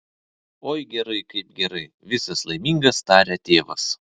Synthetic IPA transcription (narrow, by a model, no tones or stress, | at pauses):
oːjɡʲɛɾɐɪkɐɪpɡʲɛɾɐɪ | ʋʲɪsɐslˠɐɪmʲiːŋɡɐst̪ɑːɾʲɛːt̪ʲeːʋɐ̰s